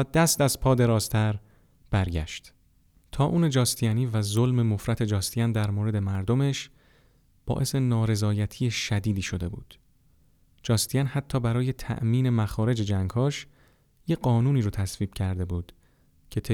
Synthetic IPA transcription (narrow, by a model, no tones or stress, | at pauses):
d̪æst̪æzpʰɒːd̪e̞ɾɒːzt̪ʰæɾ | b̥æɾɟæ̰ʃt̪ | t̪ʰɒːʔuːne̞d͡ʒɒːst̪ʰijæniːvæzolme̞mo̞fɾæt̪ʰe̞d͡ʒɒːst̪ijænd̪æɾmoːɾe̞d̪e̞mæɾd̪o̞me̞ʃ | b̥ɒ̰ːʔe̞se̞nɒːɾe̞zɒːjæt̪ʰiːjeʃæd̪iːd̪iːʃo̞d̪e̞bṵːd̪̥ | d͡ʒɒːst̪ʰijænhæt̪ʰːɒːbæɾɒːje̞t̪ʰæ̰ʔmiːne̞mæxɒːɾe̞d͡ʒed͡ʒæŋɡhɒːʃ | jeɢɒːnuːniːɾot̪ʰæsviːb̥cʰæɾd̪e̞buːd̪̥ | cʰe̞t̪ʰe